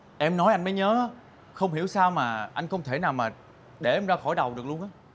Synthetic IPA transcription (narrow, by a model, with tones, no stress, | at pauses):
ʔɛ˧mnɔ˨˦jʔa˧jŋ̟məː˨˦jɲəː˨˦aː˨˦ | xə˧wŋ͡mhi˧˩əwsaː˧wmaː˨˩ʔa˧jŋ̟xə˧wŋ͡mt̪ʰe˧˩naː˨˩wmaː˨˩ | ɗe˧˩ʔɛ˧mzaː˧xɔ˧˩jɗə˨˩wɗɨ˨˩k̚lu˧ənʔaː˨˦